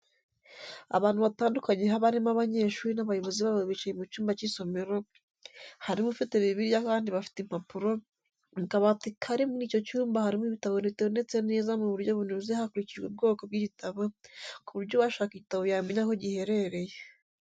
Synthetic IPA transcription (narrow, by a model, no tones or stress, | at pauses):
a̰βaːnhuβataːndukaɲe̞ɦaβaɾimaβaɲe̞ʃuːɾinaβajo̞βo̞ziβaβoβit͡ʃajemut͡ʃuːmbaciso̞me̞ɾo | haɾimufiteβiβiɾjakaːndiβafi̥tem̥hapuɾo̞ | mukaβatikʰaɾimuniːco̞t͡ʃuːmbahaɾimuiβitaβoniitaβondet͡se̞ne̞ːzamuβuɾjo̞βunuzehakuɾicid͡ʒɡeb̚ɡo̞ːko̞bɡiβitaβokuβuɾɟo̞βwaʃaːkiβitaβojaimeɲako̞ɟihe̞ɾe̞ɾe̞je